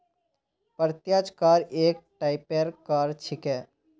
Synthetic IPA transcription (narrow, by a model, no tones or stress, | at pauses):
pəɾt̪jaːd͡ʒkaːɾeːk̚ʈaːɪpeːɾkaːɾt͡ʃʰɪkɦɛː